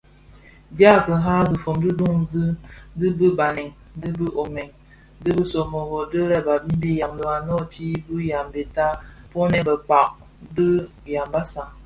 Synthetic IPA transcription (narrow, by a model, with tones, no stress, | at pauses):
dja˦kə˨ɦa˦zɨ˨fo˨mdɨ˦du˦ŋzɨ˦dɨ˦bə˦ba˨nɛ˨ŋ | dɨ˦bə˦ʔo˨mɛ˨ŋ | dɨ˦bə˦so˨mo˨ɣo˨də˦ɾɛ˦ba˨bi˦m˦bi˦ja˨mdə˨a˨nɔ˦˨ti˦bɨ˦ja˨mbe˨ta˦ | po˦nɛ˦bə˨k͡pa˨ʔ̚ | də˦ | ja˨mba˦sa˨